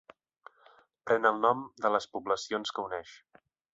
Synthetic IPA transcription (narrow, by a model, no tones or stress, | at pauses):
pɾɛnəlˠnɔmd̪ələspuβləsionskəunɛʃ